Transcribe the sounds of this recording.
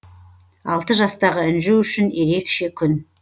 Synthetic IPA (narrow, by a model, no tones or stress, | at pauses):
ɑ̰lˠt̪əʒɑst̪ɑʁəʏnʒuwʏʃɪnje̞ɾe̞kʃe̞kʲʰʏn